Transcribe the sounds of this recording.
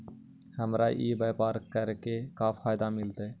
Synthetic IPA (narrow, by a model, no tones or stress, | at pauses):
həmɾa̰ːʔiːbeːpaːɾkəɾkeːkaːfʰaːjd̪aːmɪlt̪eː